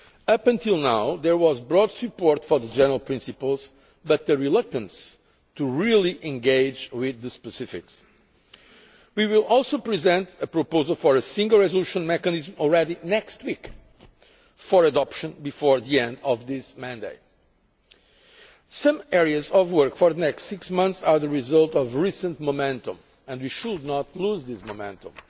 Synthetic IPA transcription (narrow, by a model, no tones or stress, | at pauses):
ʌpɨ̃nt̪ʰilˠnawðəɹwɔzbɹɔdsɨpɔɹt̪fɔ˞ðəd͡ʒɛ̃nə˞əlˠpɹĩnsɨpəlˠz̥ | bʌt̪̚ðɨɹilʌk̚t̪ə̃ns | tuɹilˠiʔɛ̃ŋɡeɪd͡ʒwɪðɨspɨsɪfɪ̰ks | wiwilˠɔlˠsoʊpɹizɛ̃ntəpɹopoʊzəlˠfɔɹəsĩŋɡəlˠɹɛzoluʃə̃nmɛkɨnizmɔlˠɹɛɾinɛkst̚wik | fɔɹədɔpʃɨ̃nbifɔɹðiɛ̃nd̪ʌvðɪsmæ̃ndeɪt̚ | sʌ̃mɛɹiɨzɔvwɜ˞kfɔɾðənɛkstsɪksmʌ̃nθsaɹðəɹizʌlˠtɔvɹisə̃ntmomɛ̃ntə̃m | ɨ̃ndwiʃud̚nɔtluzðɪsmomɛ̃ntə̰̃m